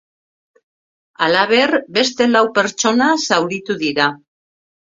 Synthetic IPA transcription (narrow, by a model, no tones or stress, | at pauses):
alaβ̞e̞rbe̞st̪e̞lawpe̞ɾt͡ʃo̞nasawɾit̪uðiɾa